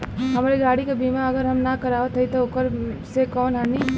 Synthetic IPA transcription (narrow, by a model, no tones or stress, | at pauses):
ɦɐmaːɾiɡaːɽikabʱiːmãɐɡəɾɦɐmnɐkɐɾaːʋət̪ʰɐit̪oʊkəɾsekɔːnɦɛːniː